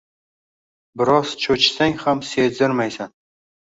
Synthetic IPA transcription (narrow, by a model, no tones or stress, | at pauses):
bɪɾɒz̥t͡ʃʰɵt͡ʃsaŋhamsed̪ɪɾmajsan